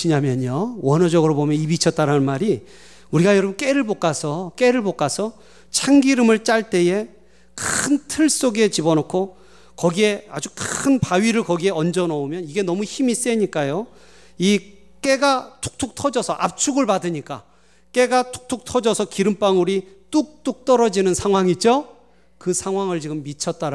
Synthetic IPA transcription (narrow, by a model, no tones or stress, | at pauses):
iɲamjʌɲowʌnʌd͡ʑʌɡɯɾobomjʌnibit͡ɕʰʌt̚t͈aɾannmaɾi | uɾiɡajʌɾʌbɯnk͈e̞ɾɯɭbok͈asʰʌk͈e̞ɾɯɭbok͈asʰʌ | t͡ɕʰaŋɡiɾɯmɯɭt͡ɕ͈aɭt͈e̞je̞ | kʰɯntʰɯɭs͈oɡe̞t͡ɕibʌnokʰo | kʌɡie̞a̰d͡ʑukʰɯnpaɥiɾɯɭkʌɡie̞ʌnd͡ʑʌnʌumjʌniɡe̞nʌmuçimis͈e̞ɲik͈ajo | i | k͈e̞ɡatʰu̥k̚tʰuk̚tʰʌd͡ʑʌsʰʌʔap̚t͡ɕʰuɡɯɭpadɯɲik͈a̰ | k͈e̞ɡatʰu̥k̚tʰuk̚tʰʌd͡ʑʌsʰʌkiɾɯmp͈aŋuɾit͈uk̚t͈uk̚t͈ʌɾʌd͡ʑinɯnsʰaŋɦwaŋid͡ʑo | kɯsʰaŋwaŋɯɭt͡ɕiɡɯmːit͡ɕʰʌt̚t͈aɾ